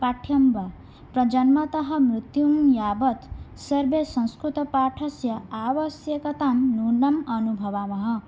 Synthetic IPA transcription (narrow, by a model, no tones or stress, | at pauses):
paʈʰjʌmba | prʌd͡ʒʌnmʌt̪ʌɦʌmɾit̪jumjabʌt̪sʌɾbesʌ̃ñskɾut̪ʌpaʈʰʌsjʌawʌsjekʌt̪amluɳɖʌmʌnubʱʌʋamʌɦʌ